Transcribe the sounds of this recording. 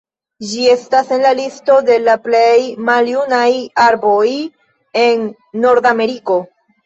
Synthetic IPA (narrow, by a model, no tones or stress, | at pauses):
d͡ʒie̞stase̞nlalisto̞de̞laplejmaljunajaɾbo̞j | e̞nː | o̞ɾdame̞ɾiko̞